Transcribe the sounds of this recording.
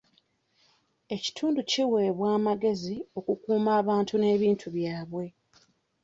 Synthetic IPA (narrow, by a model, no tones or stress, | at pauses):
e̞ci̥tʰuːnduciwe̞ːβwaːmaɡe̞zio̞kukuːmaːβaːntune̞ːβiːntʰuβjaːβwe̞